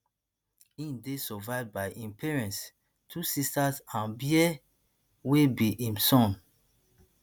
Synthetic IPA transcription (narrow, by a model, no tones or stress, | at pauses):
ĩndesɔvaɪvdbaɪʔĩmpʰɛɹɛ̃nts | tʰusistazãnbiɛ | webiʔĩmsɔ̃n